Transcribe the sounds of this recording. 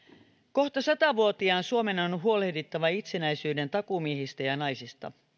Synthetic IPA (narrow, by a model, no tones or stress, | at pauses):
ko̞ht̪ɑsɑt̪ɑʋuot̪iɑːnsuomenonɦuo̞lehdit̪ːɑʋɑit̪senæisyːde̞nt̪ɑkumieɦist̪æjɑnɑjsist̪ɑ̰